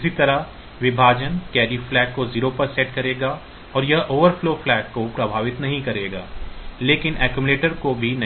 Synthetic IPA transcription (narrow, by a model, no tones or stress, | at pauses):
sit̪ɐɾaɦ | ʋɪbʱaːd͡ʒənkɛːɖiːflɛːkːoziːɾopɐɾsɛːʈkɐɾeːɡaː | ɔːɾjɐɦʔoːʋəɾfloːflɛːkːopɾɐbʱaːʋɪt̪nɐɦĩkɐɾeːɡa̰ːleːkɪnɛːkjumʊleːʈəɾkobʱinɐ